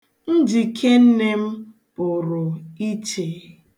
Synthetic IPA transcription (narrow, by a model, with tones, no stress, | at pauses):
n̩˦d͡ʒi˨kʰe˦n̩˦ne˦m̩˦ | pʊ˨ɾʊ˨i˦t͡ʃe˨